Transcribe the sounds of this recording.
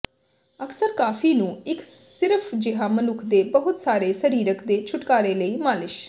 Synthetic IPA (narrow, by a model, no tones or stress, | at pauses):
əksəɾkaːfʰiːnũːɪksɪɾəpʰd͡ʒɪɦãːmənʊkʰd̪eːbəɦʊt̪saːɾeːsəɾiːɾəkd̪eːt͡ʃʰʊʈkaːɾeːləiːmaːlɪʃ